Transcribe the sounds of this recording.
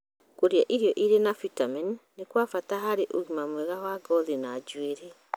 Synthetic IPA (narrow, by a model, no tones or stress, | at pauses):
koɾiaʔiɾiɔʔiɾenafitamanː | ekwafataɦaɾeʔoɣimamwɛɣawaɡɔðinad͡ʒueɾɛ